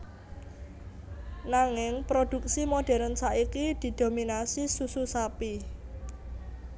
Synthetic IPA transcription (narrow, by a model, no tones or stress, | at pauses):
naŋɪŋpɾod̥ṳk̚simoɖ̥ɛ̤ɾənsaʔikid̪̥i̤d̪̥o̤minasisususapi